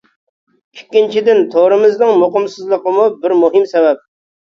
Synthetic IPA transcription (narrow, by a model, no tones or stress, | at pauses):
ykʲːint͡ʃʰid̪ɪnt̪ʰoɾɨmɪzd̪ɨŋmoqəmsɨzlˠəqəmubɪɾmuɦɪmsɛwɛp̚